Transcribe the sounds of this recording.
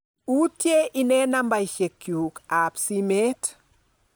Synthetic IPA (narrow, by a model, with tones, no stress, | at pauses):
u˦tje˦ʔi˨nɛ˦namba˨jʃe˨kːjuka˨psime˦t